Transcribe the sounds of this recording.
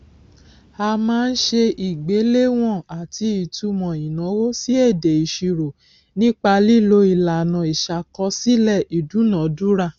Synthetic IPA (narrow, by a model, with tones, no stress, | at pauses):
a˧mãː˦˧n̩˦ʃe˧ʔi˨ɡ͡be˨˦le˦w̃ɔ̃˦˨a˨ti˧i˨tu˧mɔ̃˨i˨nã˨˦wo˦si˦ɛ˦˨de˨i˨ʃi˧ɾo˨ | nĩ˦k͡pa˧li˦˨lo˧i˨la˨nã˨i˨ʃa˨kɔ˧si˦lɛ˦˨ʔi˨dũ˨˦nã˨˦du˦ɾa˦˨